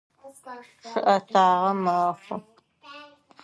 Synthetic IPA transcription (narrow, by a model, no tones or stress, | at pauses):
ʂɨʔɐtʰaːʁɐmɐχʷʊ